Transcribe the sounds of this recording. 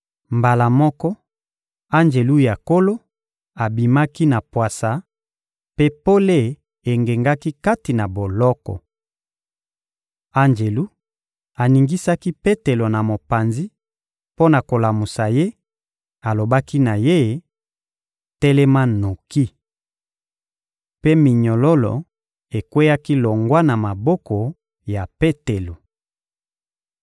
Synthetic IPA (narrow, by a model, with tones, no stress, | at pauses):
mba˨la˨mɔ˦kɔ˦ | a˦nd͡ʒe˨lu˦ja˨ko˦lo˦ | a˨bi˨ma˦ki˦na˨pwa˨sa˨˦ | pe˦po˦le˦ | e˨ŋɡe˨ŋɡa˦ki˦ka˦ti˨na˨bo˨lɔ˦kɔ̰˨ | a˦nd͡ʒe˨lu˦ | a˨ni˨ŋɡi˦sa˦ki˦pe˦te˨lo˨na˨mo˨pa˨nzi˦ | po˦na˨ko˨la˨mu˨sa˨je˦ | a˨lo˨ba˦ki˦na˨je˦˨ | tɛ˦lɛ˦ma˦no˨ki˦ | pe˦mi˨ɲɔ˨lɔ˦lɔ̰˨ | e˨kwe˦ja˦ki˦lɔ˨ŋɡwa˦na˨ma˨bɔ˦kɔ˨ | ja˨pe˦te˨lo˨